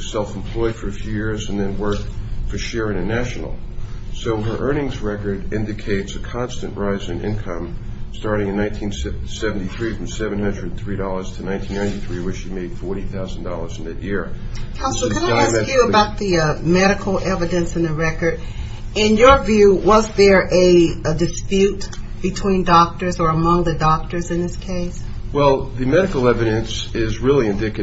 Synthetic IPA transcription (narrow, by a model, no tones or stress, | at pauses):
sɛlˠfm̩pʰl̥ɔɪd̥fə˞ɨfjʉjɪɹzɨ̃nðɨ̃nwɜ˞kfə˞ʃɛɹɪ̃ŋɨnæʃnl̩ˠ | soʊə˞ʔɜ̃˞ñɪ̃ŋzɹɛkə˞ɾɪ̃ndɨkʰeɪtsɨkʰɑ̃nstɨ̃nʔɹaɪzɨ̃nɪ̰̃nkʰʌ̃m | stɑɹɾɪ̃ŋɨ̃nːãɪ̃ntʰĩnssɛvn̩tiθɹifɹʌ̃msɛvɨ̃nhʌ̃ndɹɨdn̩θɹiɾɔlˠə˞z̥tʰɨnãɪ̃ntʰĩnãɪ̃ntiθɹiwɪʃimeɪd̥fɔɹɾiθaʊzn̩dɔlˠə˞zn̩ðɨʔ̚jɪɹkʰãʊ̃sl̩ˠkʰɨ̃naɪɪæsɛkjɨəbaʊt̪̚ðiʌmɛɾɨkʰl̩ˠʔɛvɨɾɨ̃nsɨ̃nðɨɹɛkə˞ɾ | ɪ̃njə˞vjʉwʌzðə˞ʔɨdɨspjʉt | b̥ɨtʰw̥ĩndɔk̚tə˞zə˞əmʌ̃ŋðɨdɑk̚tə˞zɨ̃nðɪskʰeɪs | wɛlˠðɨmɛɾɨkl̩ˠɛvɨɾɨ̃nsɪzɹɪlˠiɨ̃ndɪkɨ